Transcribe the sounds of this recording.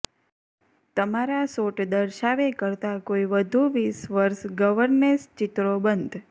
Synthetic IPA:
t̪əmaɾasoʈd̪əɾʃaʋekəɾt̪akoiʋəd̪ʱuʋisʋəɾʃɡəʋəɾnmest͡ʃɪt̪ɾobənd̪ʱ

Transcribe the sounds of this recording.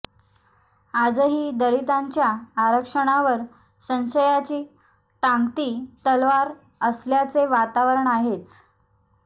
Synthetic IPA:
ad͡zəɦiːd̪əɾit̪aɲt͡ɕjaːɾəkʂəɳ̃aʋəɾ | ɕə̃nɕəjat͡ɕiː | ʈãŋɡt̪iːt̪əlʋaɾ | əsljat͡seʋat̪aʋəɾəɳaɦet͡s

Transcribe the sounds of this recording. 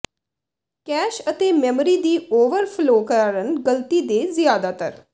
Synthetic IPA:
kɛːʃət̪eːmɛːmɾiːd̪iːoːʋəɾpʰloːkəɾaːɾənɡəlt̪iːd̪eːzɪjaːd̪aːt̪əɾ

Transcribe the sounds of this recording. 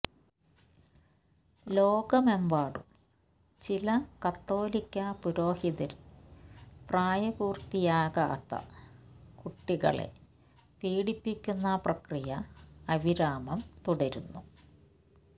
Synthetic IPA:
lo̞ːɡɐme̞mbaːɽṵ | t͡ɕilɐkɐt̪ːo̞ːlikʲːɐpuɾo̞ːhiðɐɾ | praːjɐbuːrt̪ijaːɣɐ̰ːt̪ːɐ̰ | kuʈːiɣɐ̰ɭḛ | piːɽipːikʲːunːɐprɐkrijɐɐʋiɾaːmɐmt̪uɽɐɾunːu

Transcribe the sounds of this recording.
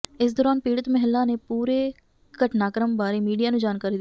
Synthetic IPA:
ɪs̬d̪ɔːɾaːnpiːɽət̪məɦɪlːãːneːpuːɾeː | ɡəʈnaːkəɾəmbaːɾeːmiːɖijaːnũːd͡ʒaːnkaːɾiːd̪

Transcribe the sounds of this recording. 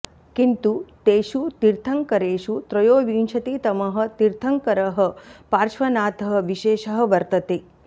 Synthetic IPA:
kint̪ut̪eːʃut̪iɾt̪ʰɐŋkɐɾeːʃut̪ɾɐjoːʋiːnʃʰɐt̪it̪ɐmɐɦɐ̆t̪iɾt̪ʰɐŋkɐɾɐɦɐ̆paːɾʃʋɐnaːt̪ɐɦɐ̆ʋiʃeːʃɐɦɐ̆ʋɐɾt̪ɐt̪eː

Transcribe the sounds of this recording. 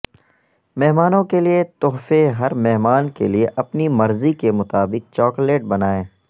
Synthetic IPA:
mɛɦmaːnõkeliet̪oɦfeɦɐɾmɛɦmaːnkḛlieʔɐpnimɐɾzikemʊt̪aːbɪk̚t͡ʃɔːkleːʈ̚bɐnaːẽː

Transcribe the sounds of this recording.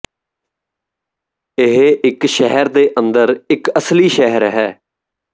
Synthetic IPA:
ɪɦɪkʃɛɦəɾd̪eːʔənd̪əɾɪkəsliːʃɛɦəɾɦɛː

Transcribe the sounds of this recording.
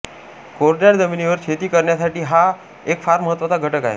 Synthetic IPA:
koɾɖaɾd͡zəminiʋəɾkʰet̪iːkəɾɳjasaʈiːɦa | ekfaɾməɦət̪ːʋət̪aɡʱəʈəka̰ɦḛ

